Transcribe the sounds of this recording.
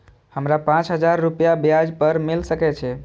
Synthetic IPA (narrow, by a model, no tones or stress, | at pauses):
həmɾapãt͡ʃɦəd͡ʒaɾːupjabjad͡ʒpəɾmilsəkɛt͡ʃʰɛ